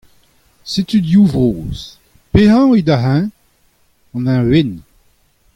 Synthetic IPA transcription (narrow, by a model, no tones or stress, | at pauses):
set̪yd̪juvʁoːz̥ | peɦɑ̃ed̪aɦɛ̃ | ɑ̃nɛ̃wen